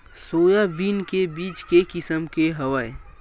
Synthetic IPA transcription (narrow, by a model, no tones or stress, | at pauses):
soːjabiːnkebiːt͡ʃkekɪsəmkeɦɐʋaːe